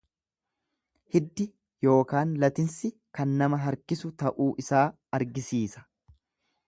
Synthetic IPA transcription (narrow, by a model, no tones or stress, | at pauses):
hɪd̪ːɪ | jo̞ːkaːnlɐt̪ɪnsɪ | kɐnːɐmɐɦɐɾkɪsʊt̪ɐʔuːʔɪsaː | ɐɾɡɪsiːsɐ̥